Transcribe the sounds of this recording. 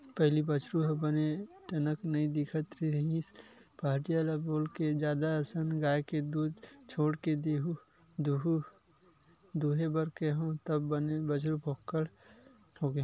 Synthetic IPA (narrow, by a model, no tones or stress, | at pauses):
pəɦlibət͡ʃɾuɦbəneʈənəknəĩd̪ɪkʰət̪ɾiɾəɦĩspaːɦʈijalaboːlked͡ʒjaːd̪aəsənɡaːjked̪uːd̪t͡ʃʰoːɽked̪eːɦu | d̪uɦu | d̪uːɦebəɾkeɦõt̪əbːənebət͡ʃɾubʱokːəɽ | hoɡe